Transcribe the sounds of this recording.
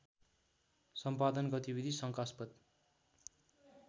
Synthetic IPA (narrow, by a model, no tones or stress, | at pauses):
sʌmpad̪ʌnɡʌt̪ibid̪ʱisʌŋkaspʌt̪